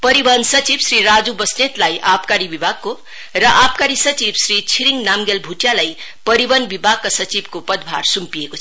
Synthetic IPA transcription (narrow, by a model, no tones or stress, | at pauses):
pʌɾibʌnsʌt͡sibsriɾad͡zubʌsnet̪lajʔapkaɾibibʱaɡ̚ko | rʌʔap̚kaɾisʌt͡sibsɾit͡sʰiɾiŋnamɡelbʱuʈjalajpʌɾibʌnbibʱaɡ̚kasʌt͡sibkopʌd̪bʱa̰rsumpijekot͡sʰ